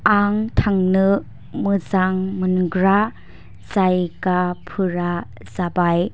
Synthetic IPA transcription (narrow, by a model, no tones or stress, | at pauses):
aŋtʰaŋnɯ | mɯzaŋmɯnɡɾa | z̥ajkapʰɯɾa | zabaj